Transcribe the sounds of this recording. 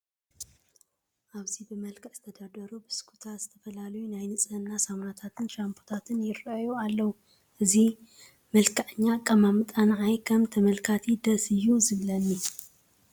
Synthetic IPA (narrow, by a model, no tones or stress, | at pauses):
ʔaβzibɨmɐlkʰɐʔz̥ɨt̪ʰɐd̪ad̪ɐɾubɨskʰu̥t̪ʰazɨt̪ʰɐfɐlalɐjunajnɨt͡sʼɐnːasamnat̪ʰat̪ʰɨnɾampʰo̥t̪ʰat̪ʰɨnjɪrɐjualːɐwu | ʔɨzi | mɐlkʰaʕɨɲːakʼɐmamɨt̪ʼanʕajkʰɐmt̪ʰɐmɐlkʰat̪ʰid̪ɐsɨjːuzɨβlɐnːi